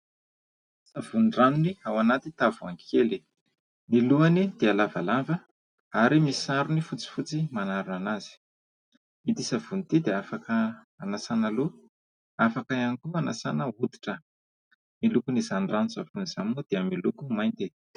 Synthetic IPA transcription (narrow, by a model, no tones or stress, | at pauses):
sav̥unɳɖ͡ʐanuniawanat̪it̪avuaŋkʰeli | niluanid̪̥ealavalavə | aɾimisaɾunifut͡si̥fut͡simanaɾunanaz̥i̥ | id̪isavunt̪id̪eafakə | anasanalu | afakaanikuana̰sanəud̪i̥ʈ͡ʂə | milukunizanɖ͡ʐanzavuniz̥aminod̪̥eamilukumajnt̪i